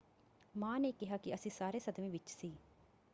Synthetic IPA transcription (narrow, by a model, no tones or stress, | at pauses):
mãːnekɪɦaːkiɐsĩːsaːɾeːsɐd̪mĩːʋɪt͡ʃsiː